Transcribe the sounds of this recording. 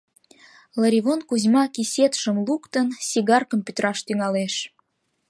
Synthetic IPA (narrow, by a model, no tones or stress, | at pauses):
ləɾʲiβonkuzʲmɑkisʲet̪ʃəmlukt̪ənsʲiɣɑrkəmpyt̪ɾɑʃt̪yŋɑleʃ